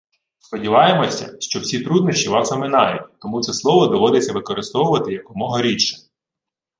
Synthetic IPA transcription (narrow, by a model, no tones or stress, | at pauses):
spɔdʲiʋɑjemɔsʲɐ̰ʃt͡ʃɔwsʲit̪ɾud̪nɔʃt͡ʃʲiʋɑsɔmɪnɑjʊtʲt̪ɔmut̪sɛslˠɔʋɔd̪ɔʋɔd̪et͡sʲɐʋɪkɔɾɪst̪ɔʋʊʋɐt̪ɪjɐk̚pɔmɔɦɐɾʲit͡ʃɐ̥